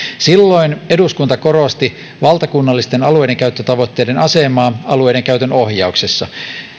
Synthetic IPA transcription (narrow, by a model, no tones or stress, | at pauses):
silːo̞ineduskunt̪ɑkorost̪i | ʋɑlt̪ɑkunːɑlːist̪enɑluejdeŋkæyt̪ːøt̪ɑʋo̞t̪ːe̞ːdenɑsemɑːɑlue̞jdeŋkæyt̪ønohjɑuksesːɑ